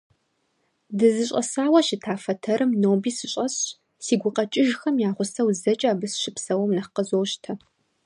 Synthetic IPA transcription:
dɨzɨɕʼɐsaːwɐʃɪtʰaːfɐtʰɐɾɨmnoːbiːsɨɕʼɐɕ | siːɡʷʊqɐt͡ʃʼɪʒxɐmjaːʁʷʊsɐwzɐt͡ʃʼaːbɨsʃɪpsɐwɐmnɐχqəzoːwɕtʰɐ

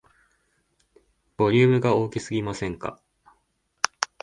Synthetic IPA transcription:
b̥o̞ɾʲɨːmɯ̟ɡao̞ːkʲisɨɡʲimasẽ̞ŋka̰

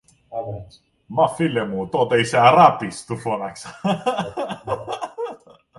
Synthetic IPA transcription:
mafilemut̪ot̪eisærapist̪ufonaks

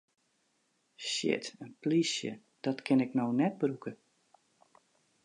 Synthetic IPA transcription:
ʃɪ̰tənplisjə̰ | d̥ɔtkʰɪnɪknownɛt̚brukə

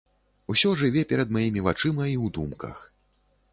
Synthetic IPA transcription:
usʲɔʐɨvʲɛpʲɛɾɐd̪majimʲivat͡ʂɨmɐiwd̪umkɐ̰x

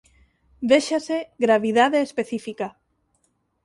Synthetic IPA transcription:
d̪eʃaseɣɾaβiðaðeːspeθifika

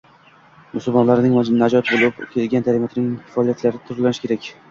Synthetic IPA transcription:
mʊsʊlˠmɒnlaɾnɪŋnad͡ʒɒt̪bolˠɪpkʲʰelɡʲand̪ʰaɾimat̪ʰɪnɪŋ̥ʲʰfɑɒlˠijat̪laɾɪt̪ʰʊɾlˠːanɪʃkʲe̞ɾakʲ

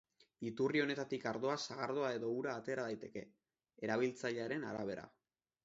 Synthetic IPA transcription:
it̪urio̞ne̞t̪at̪ikaɾðo̞asaɣ̞aɾðoae̞ðo̞uɾaːt̪e̞ːɾaðajt̪e̞ke̞ | eɾaβ̞ilt͡saʎeaɾe̞naɾaβ̞e̞ɾa̰

